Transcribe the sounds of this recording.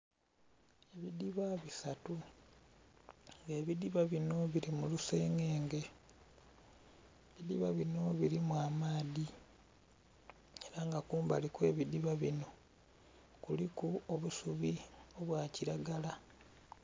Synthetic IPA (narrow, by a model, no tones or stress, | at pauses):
e̞βidiβaβisatu | ŋɡe̞ːβidiβaβino̞βiɾimuluseːŋeːŋɡe̞ | βid̪ḭβaβino̞βiɾimwaːmaːði | e̞ɾaŋɡakuːmba̰likwe̞ːβid̪iβaβino̞ | kulikuoβusuβio̞βwaːciɾaɡala